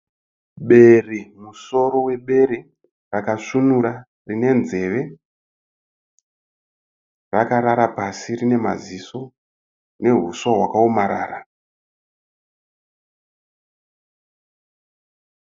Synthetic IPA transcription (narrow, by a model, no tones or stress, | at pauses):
ɓe̞rimuso̞ɾo̞we̞ɓe̞ɾi | rakaʂunuɾa | rine̞nze̞ːʋe̞ | rakaɾaɾapasirine̞ma̰ziso̞ | ne̞ɦuswaɦwakaomaɾa̰ːra